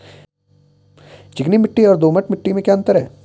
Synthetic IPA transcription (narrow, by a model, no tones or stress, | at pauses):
t͡ʃɪknimɪʈːiɔːɾd̪oːməʈmɪʈːimẽkjaːɐ̃nt̪əɾɦɛː